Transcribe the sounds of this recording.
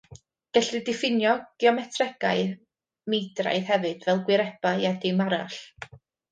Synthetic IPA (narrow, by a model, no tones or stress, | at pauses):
ɡ̥ɛɬrɨdɪfɪnjɔɡ̥iɔmɛtʰrɛɡ̥aɨ | medra̰jð̥hɛvɨd̥vɛlˠɡwɪɾɛb̥ajɛdɪmaɾa̰ɬ